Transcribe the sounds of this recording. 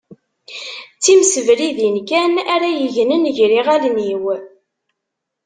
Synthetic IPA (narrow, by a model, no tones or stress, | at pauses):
t͡sːimsəvɾiðinkænæɾæjəʝnənʝɾiʁælniw